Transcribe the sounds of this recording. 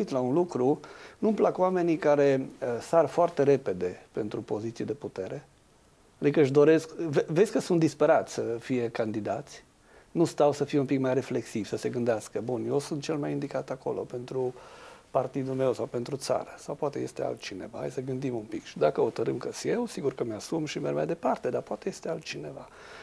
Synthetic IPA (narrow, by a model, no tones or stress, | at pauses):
it̪launlukɾunumplakuame̞nikaɾe̞əsarfoart̪e̞ɾe̞pe̞d̪e̞pent̪ɾupo̞zit̪sijed̪e̞put̪e̞ɾe̞ | ad̪ikəɨʃd̪o̞ɾe̞skvevesʲkəsunt̪d̪ispeɾat̪sʲsəfije̞kand̪id̪at̪sʲ | nust̪awsəfijeunpikmajre̞fle̞ksivsəse̞ɡɨnd̪easkəbunjewsunt̪̚t͡ʃe̞lmajind̪ikat̪ako̞̰lo̞̰pe̞nt̪ɾupart̪id̪ume̞wsawpe̞nt̪ɾut̪sa̰ɾəsawpoat̪e̞jest̪ea̰lt̪̚t͡ʃine̞vaha̰jsəɡɨnd̪imunpikʃid̪akəhot̪əɾɨmkəsjewsiɡurkəmeasumʃimermajd̪e̞part̪e̞d̪apoat̪eje̞st̪ealt̪̚t͡ʃine̞va